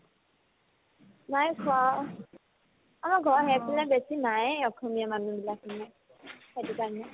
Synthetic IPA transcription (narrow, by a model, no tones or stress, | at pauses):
najkʰwa | amaɡʱɔɹɦɛpʰilabɛsinajɔkʰɔmiamanũbilakʰina | ɛdikana